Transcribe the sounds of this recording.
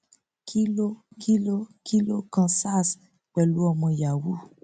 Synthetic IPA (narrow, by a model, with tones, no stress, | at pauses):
kʰi˦lo˦kʰi˦lo˦kʰi˦lo˦kã˧sa˦˨s | k͡pɛ˨lu˦ɔ˧mɔ̃˧ja˨wu˦